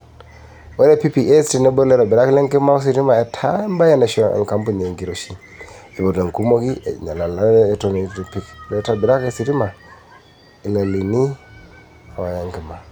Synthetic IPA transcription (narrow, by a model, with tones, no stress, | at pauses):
we˦ɾe˦pi˦pi˨ʔe˦sti˨ne˦bo˦le˦ɾa˨bi˨ɾa˦kle˦ŋke˦ma˦o˦s̬i˨ɾi˦ma˨e˨tʰa˦mba˦je˦na˨ʃo˦ḛ˨ŋ˨ka˦mpu˦˨ne˨ŋɡi˨ɾo˨ʃi˦ | i˨bo˨de˨ŋ˨ku˦mo˦ki˦˨ɲa˨la˨laː˦to˦ne˨˦ɾe˨pi˦kle˨˦ta˨bi˨ɾa˦ke˨si˨ɾi˦ma˨ | i˨le˨li˨ni˦ | a˨wa˨ja˨ŋki˨ma˨